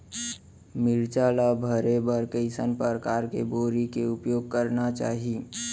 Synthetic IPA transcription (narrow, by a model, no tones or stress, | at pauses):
mɪɾt͡ʃaːlabʱəɾebəɾkəɪsənpəɾkaːɾkḛboːɾikeʊpjoːɡ̚kəɾnat͡ʃa̰ːɦie